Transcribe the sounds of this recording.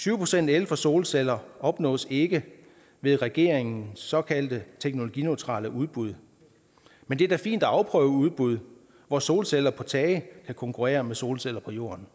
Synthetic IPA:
sʰyːʊpʰʁo̝sen̰d̥elfɐso̝ːlsel̰ɐɒ̽b̥nɔ̰̽ːse̝ɡ̥ə | ʋe̝ðˠʁɛɡ̥e̝ɐ̰eŋn̩sɒ̽kʰæld̥ət͡sʰeɡ̥no̝lo̝ɡ̥ineʊt͡sʰʁɑ̰̈ːləʔuð̞ˠb̥uð̞ˠ | mend̥e̝d̥æfḭːnd̥ɒɑ̈ʊpʰʁœːʊəuð̞ˠb̥uð̞ˠ | ʋɒso̝ːlselɐpʰɒ̽t͡sʰɛːɪəkʰækʰɒ̽ŋkʰuʁḛːɐmeso̝ːlsel̰ɐpʰɒ̽jo̝̰ːɐn

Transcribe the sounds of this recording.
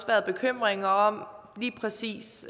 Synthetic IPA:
sʋæɐðˠb̥e̝kʰøm̰ʁeŋɐɒ̽m̰ | liːpʰʁɛsḭːs

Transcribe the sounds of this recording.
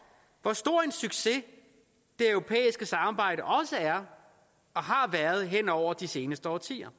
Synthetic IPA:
ʋɒsd̥o̝ɐ̰e̝nsyɡ̥se̝ | d̥e̝œʊʁo̝pʰḛːisɡ̥əsɑ̈mɑ̈ːb̥ɑ̈ɪ̰ɾ̥əʔɒ̽səæɐ | ɒ̽ɦɑ̈ʋæɐð̞̩ˠɦen̰ɒʊ̰ɐd̥ise̝ːnəsd̥əɒ̰ːt͡sʰḭːɐ

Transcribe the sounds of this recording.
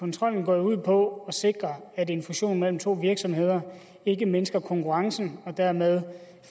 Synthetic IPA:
ɒ̽nt͡sʰʁɒ̽l̰n̩ɡ̥ɒ̰ːuð̞̰ˠpʰɒ̽ɒ̽se̝ɡ̥ʁɐæd̥e̝nfuɕo̝̰ːnmel̰m̩t͡sʰo̝̰ːʋiɐɡ̥sɒ̽mhe̝ð̞̰ˠɐ | e̝ɡ̥əmensɡ̥ɐkʰɒ̽ŋkʰuʁɑ̈ŋsn̩ɒ̽d̥æɐ̰með̞ˠ

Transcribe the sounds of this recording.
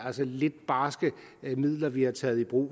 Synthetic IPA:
ælsəle̝d̥̚b̥ɑ̈ːsɡ̥əmið̞̰ˠlɐʋihɑ̈t͡sʰɛ̰ːð̩ˠib̥ʁṵː

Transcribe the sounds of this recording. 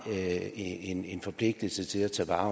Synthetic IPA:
ene̝nfɒ̽pʰle̝ɡ̥̚d̥l̩sət͡sʰe̝læt͡sʰɛ̰ːʋɑ̈ː

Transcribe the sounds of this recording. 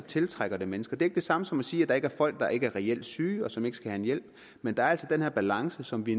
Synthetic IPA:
t͡sʰe̝lt͡sʰʁaɡ̥ɐd̥e̝menəsɡ̥ɐd̥e̝e̝ɡ̥əd̥e̝sɑ̈məsɒ̽mɒsiːæd̥ɑ̈e̝ɡəæɐfɒ̽l̰ɡ̥̚d̥ɑ̈ʔe̝ɡ̥əæɐʁɛel̰d̥syːɒ̽sɒ̽me̝ɡ̥əsɡ̥æhænjel̰b̥ | mend̥ɑ̈æɐæl̰sɒ̽d̥enheɐb̥ælɑ̈ŋsəsɒ̽mʋi

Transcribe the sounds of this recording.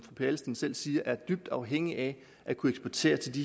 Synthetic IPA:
fʁɒpʰælsd̥ensel̰siːɐʔæɐd̥yb̥̚d̥ɑ̈ʊɦeŋ̰iʔæ | ʔækʰueɡsb̥ɒt͡sʰe̝̰ːɐt͡sʰe̝ldi

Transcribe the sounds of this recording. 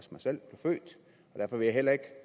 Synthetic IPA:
smɑ̈ɪsel̰b̥le̝ʊfø̰ːd̥ | ɒd̥æɐfɒʋe̝jɑ̈ɪhel̰ɐe̝ɡ̥

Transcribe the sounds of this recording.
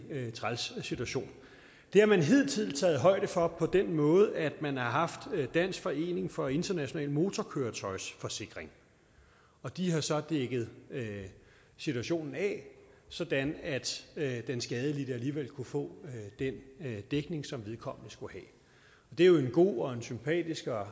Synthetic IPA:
t͡sʰʁalssit͡sʰuæɕo̝̰ːn | d̥e̝æmænɦe̝ːlt͡sʰið̰̩ˠt͡sʰɛ̰ːð̞̩ˠɦɒ̽ɪ̰d̥əfɒ̽pʰɒ̽d̥enmɔ̽ːð̞̩ˠæd̥mænhɑ̈ɦɑ̈fd̥d̥æn̰sɡ̥fɒ̽e̝̰ːne̝ŋfɒ̽e̝nd̥ɐnæɕo̝nɛ̰ːlmo̝ːt͡sʰɒkʰøːɐt͡sʰɒ̽ɪsfɒ̽se̝ɡ̥ʁeŋ | ɒ̽d̥iɦɑ̈sɒ̽d̥eɡ̥ð̩ˠø | sit͡sʰuæɕo̝̰ːnn̩ɛ̰sɒ̽d̥ænæd̥d̥ensɡ̥ɛːð̞ˠəlid̥əæliːʋel̰kʰufɔ̰̽ːd̥end̥eɡ̥ne̝ŋsɒ̽mʋeðˠkʰɒ̽m̰nəsɡ̥uhɛ | ɒ̽d̥e̝æjo̝e̝nɡ̥o̝̰ːɒ̽e̝nsympʰɛ̰ːd̥isɡ̥ɒ

